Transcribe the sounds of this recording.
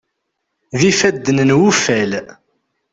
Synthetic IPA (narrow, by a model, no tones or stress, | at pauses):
ðifæd̪ːənnwufæl